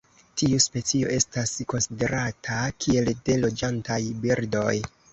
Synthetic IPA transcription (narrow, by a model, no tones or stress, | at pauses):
tiuspe̞t͡sio̞ʔe̞stasko̞nside̞ɾʔatʰakʰie̞lde̞lo̞d͡ʒantajbiɾdo̞̰j